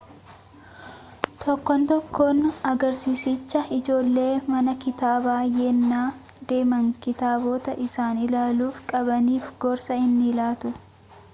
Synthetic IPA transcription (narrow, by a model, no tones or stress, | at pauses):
t̪ɔkːɔnt̪ɔkːoːnɐɡɐɾsiːsɪt͡ʃːɐɪd͡ʒo̞ːlːe̞ːmɐnɐkɪt̪aːbaːjeːnːaː | d̪e̞ːmɐŋkɪt̪aːbo̞ːt̪ɐʔɪsaːnɪlaːluːfkʼɐbɐniːfɡɔːɾsɐɪnːɪlaːt̪ʊ